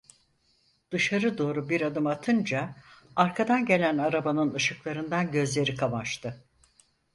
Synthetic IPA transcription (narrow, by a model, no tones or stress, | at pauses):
d̪̥ɯʃaɾɯd̪o̞ːɾubiɾad̪ɯmat̪ʰɯnd͡ʒaaɾkʰad̪anɟe̞lʲænaɾabanɯnɯʃɯklˠaɾɯnd̪anɟø̞zlʲe̞ɾikʰamaʃt̪ʰɯ